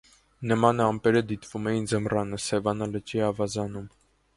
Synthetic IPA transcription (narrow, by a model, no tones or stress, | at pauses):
nəmɑnɑmpɛɾəd̪it̪vumɛjind͡zəmrɑnəsɛvɑnɑlət͡ʃiɑvɑzɑnum